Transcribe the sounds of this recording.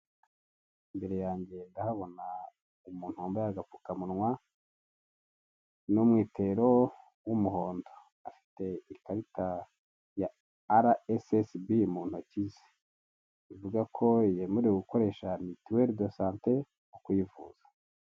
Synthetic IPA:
imbe̞ɾe̞jaːɲɟe̞ndahaβo̞na | umuːn̥huːmbojaɡapu̥kamunŋwa | numŋiːtʰe̞ɾo̞ | wumuɦo̞ːndo̥ | afi̥te̞ikaɾita | jaː | ɾaesesbimuːn̥hucize̥ | ivuɡakʰo̞jemuɾeuɡuko̞ɾe̞ːʃanitiweɾdosaːnte | ukujivṵːz̥ḁ

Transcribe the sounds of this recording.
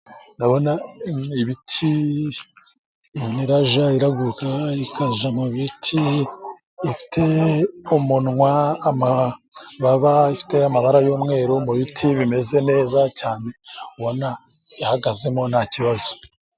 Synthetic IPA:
ndaβo̞naiβitʰi | niɾaʒaiɾaɡukaikazamuβitʰiː | fi̥tʰe̞umunŋwaːmaβaβaifi̥te̞amaβaɾajo̞ːmŋe̞ːɾomuβitʰiβime̞ze̞ne̞ːzacaːne̞uβonaihaɡaze̞mo̞nhaciβazo

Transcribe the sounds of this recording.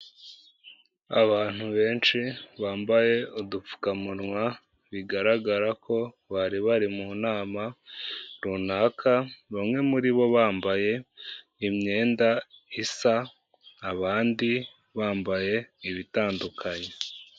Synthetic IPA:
aβaːn̥huβe̞ːnt͡ʃiβaːmbaje̞udup͡fu̥kamuɾŋwa | βiɡaɾaɡaɾakʰo̞ | βaɾiβaɾimunaːma | ɾunakʰaβamŋe̞muɾiβo̞βaːmbaje̞ | imɲe̞ːndaisaː | βaːndi | βaːmbaje̞iβitaːndukʰaɲe

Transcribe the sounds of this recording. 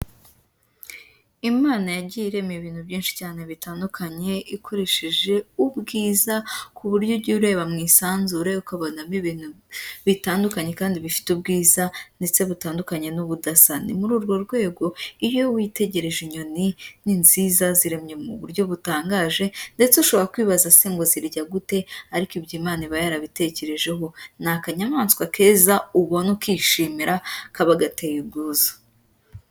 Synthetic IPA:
imaːnajaɟiɾe̞mieβiːn̥hubjiːnʃi̥caːne̞βitaːndukʰaɲe̞ikʰo̞ɾe̞ʃeʒe̞ubɡiːzakʰuβuɾjobɟuːɾe̞ːβamŋiːsaːnzuɾeukaβo̞namiβinhu | βitaːndukaɲe̞kaːndiβifi̥tubɡiːzande̞t͡se̞βutaːndukaɲe̞nuβudasanḭmuɾuːɾɡo̞ɾɡwe̞ːɡo̞ijo̞wite̞ɟe̞ɾe̞ʒiɲo̞nininziːzaziɾe̞mɲe̞mṵβuɾɟo̞βutaːŋɡaːʒe̞nde̞t͡seuʃo̞βo̞ɾakwiːβazaseŋɡo̞ziɾɟaɡute̞aɾikibɟiːmaːniβajaɾaβite̞ce̞ɾe̞ʒe̞ɦo̞nakaɲamaːnskwakʰe̞ːzauβonukiːʃiːmiɾʔakaβaɡate̞jibɡuːzḁ

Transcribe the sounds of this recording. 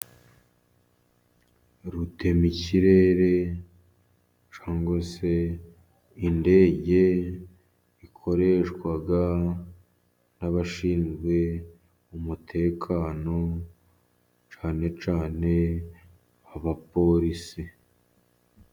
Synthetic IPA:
ɾutʰe̞miciɾe̞ɾe̞ | t͡ʃaːŋɡwese̞ | inde̞ːɟe̞ | ikʰo̞ɾe̞ːʃkwaɡa | naβaʃiːnzɡwe̞ | umutʰe̞ːkʰaːno̞ | t͡ʃaːne̞t͡ʃaːne̞ | aβapo̞ɾisi

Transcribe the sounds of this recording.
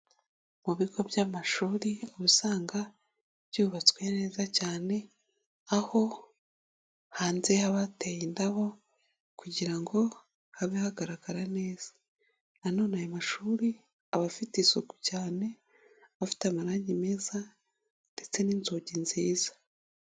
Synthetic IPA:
muβiɡo̞bjamaʃuːɾioβusaːŋɡa | b̥ɟuːβat͡swe̞ne̞ːzacaːne̞ | aho̞ | haːnze̞haβatejindaβo̞ | kuɟiɾaŋɡo̞ | haβihaɡaɾaɡaɾane̞ːz̥ḁ | ano̞najomaʃuːɾi | aβafitiːsoku̥caːne̞ | afi̥tamaɾaːɲɟime̞za | nde̞t͡se̞ninzoɟinziːzḁ

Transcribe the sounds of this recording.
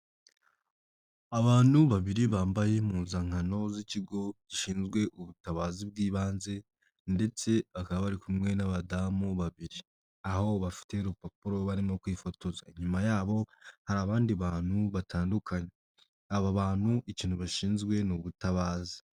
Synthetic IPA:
aβaːn̥huβaβiɾiβaːmbaje̞muːnzaŋhano̞ziciɡo̞ɟ̥iʃiːnzɡwe̞ʔuβutaβaːzib̚ɡiːβaːnze̞ | nde̞t͡se̞βakaβaβaɾikumŋe̞naβadamuβaβiɾi | aho̞βafi̥te̞ɾopapuɾo̞βaɾimo̞kwifo̞to̞za̰iɲumajaːβo̞haɾaːβaːndiβaːn̥huβatʰaːndukʰaɲe | aβaβaːn̥huʔiciːn̥huβaʃiːnzɡwe̞nuβutaβaːzi̥

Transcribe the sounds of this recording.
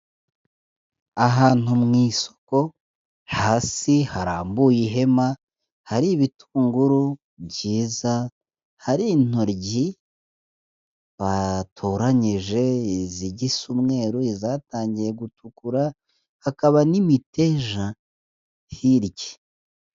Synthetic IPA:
aɦaːn̥umŋiːso̥ko̞ | haːsihaɾaːmbuːjiɦe̞ma | haɾiβitʰuːŋɡuɾu | bɟiːza | haɾin̥o̞ɾɟi | βatʰoɾaɲiʒe̞ziɟisumŋe̞ːɾoizataːɲɟiɾe̞ɡutukuɾa | hakaβanimite̞ʒa | hiɾɟe̥

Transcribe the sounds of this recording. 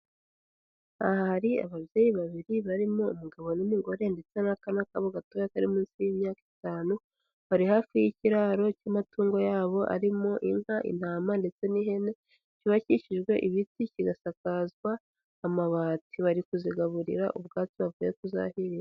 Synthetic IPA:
a̰hahaɾia̰βavje̞ːjiβaβiɾiβaɾimoṵmuɡaβo̞nimiŋɡo̞ɾe̞nde̞t͡se̞nakanakaβoɡatojakaɾimiːnsijimɲaːki̥taːnu | βaɾihafijiciɾaːɾo̞camatuːŋɡo̞jaːβo̞ʔa̰ɾimoʔinhaʔḭn̥haːmande̞t͡se̞niɦe̞ne̞ | ciβaciʃiʒɡwe̞ʔiβiticiɡasakazɡwaː | maβaːtiβaɾikuziɡaβuɾḭɾaʔubɡaːt͡siβavujekuza̰hiɾija

